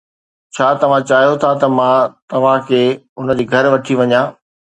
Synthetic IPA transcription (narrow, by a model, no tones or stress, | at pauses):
t͡ɕʰaːt̪ɐʋ̤ãt͡ɕaːɦjot̪ʰat̪ɐmãt̪ɐʋ̤ãkʰeː | ʊnəd͡ʑiːɡʱɐɾʋɐʈʰiʋɐɲãː